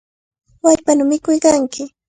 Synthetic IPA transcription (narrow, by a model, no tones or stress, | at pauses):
waʎpanʊmɪkʊjkaŋkɪ